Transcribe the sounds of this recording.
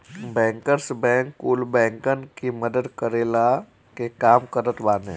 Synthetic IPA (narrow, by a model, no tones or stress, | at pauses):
bɛ̃ːŋkəɾsbɛ̃ːŋkːuːlbɛ̃ːŋkənkiməd̪əd̪kəɾeːla | kekaːmkəɾət̪ʋaːnḛ̃ː